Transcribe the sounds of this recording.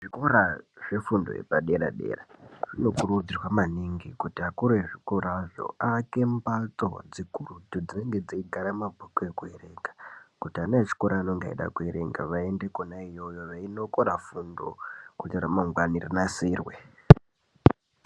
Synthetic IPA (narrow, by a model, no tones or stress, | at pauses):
ʐiko̞ɾaʐe̞fundo̰ḛpaɗe̞ɾa̰ɗe̞̰ːraʐ̥ino̞kurud͡zirwamaniŋɡikutiakuɾueʐikoɾaʐo̞̰ake̞mbat͡so̞̰d͡zikurutud͡zine̞ŋɡe̞d͡ziiɡʱaɾamabʱokoekuere̞ːŋɡakutianeet͡ʃi̥ko̞ɾaːnoŋɡaḭɗa̰kueɾḛŋɡa̰ʋaendekonaijo̞jo̞ʋaino̞ko̞ɾafundo̞̰kutiɾamaŋɡwanirinasiːrwe